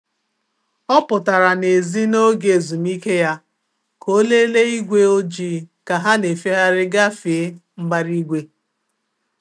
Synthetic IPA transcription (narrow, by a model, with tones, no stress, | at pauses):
ɔ˦pʊ˨ta˨ɾa˨ne˨zi˦no˦ɡe˨zu˨m˦i˦ke˦ja˦ | ko˦le˦le˦i˦ɡʷe˦o˦d͡ʒi˦ka˨ɦa˦ne˨fi˦ɦa˦ɾɪ˦ɡa˦fe˨˦m̩˦ba˦ɾi˦ɡʷe˦